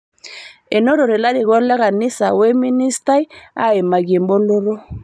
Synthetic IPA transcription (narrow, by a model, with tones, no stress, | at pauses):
e˨no˦ɾo˨ɾɛ˨la˦ɾi˨ɣɔ˦la˦ɣa˨ni˦sa˨wɛ˦mi˦ni˦sta˦i˦a̰˦e˨ma˨ɡi˨mbo˦lo˦ɾo˦